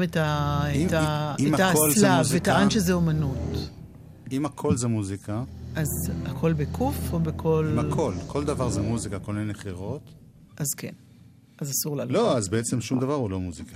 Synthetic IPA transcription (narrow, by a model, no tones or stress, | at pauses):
metaitaiatallazvetaʔanʃezeomanut | imakʰo̞lzemuzikaʔazakʰo̞lbekʰufobekolmakʰo̞lkʰo̞ld̪avaʁzemuzikakoleneχiʁo̞t̪ | ʔazkḛn | azasuʁlaloazbeet͡semʃumd̪avaʁhulo̞muzika